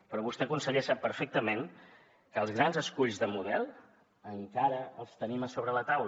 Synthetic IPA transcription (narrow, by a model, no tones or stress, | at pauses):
pɾɔβust̪ɛəkunsəʎɛsapːəɾfɛk̚t̪əmen | kəːlˠzɣɾanzəskuʎzðəmuðɛlˠ | əŋkaɾəəlˠst̪əniməsoβɾələt̪awl